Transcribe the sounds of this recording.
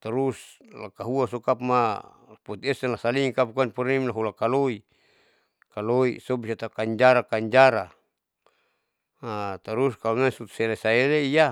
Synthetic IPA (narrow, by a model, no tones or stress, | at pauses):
t̪aɾus | la̰kaɦuasokap̚ma | put̪ɛsɛnlasaliŋkap̚kuanpɔɾimlaɦulakaloi | kaloḭsobisat̪akaɲd͡ʒaɾakaɲd͡ʒaɾa | at̪aɾuskalonasut̪u̥sɛlasaeɾeija